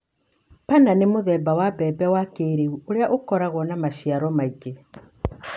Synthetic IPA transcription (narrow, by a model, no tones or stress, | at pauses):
pananemoðɛːbawabɛːbɛwakeɾeuoɾeaʔokɔɾaɣwɔnamaʃiaɾɔmaiɡe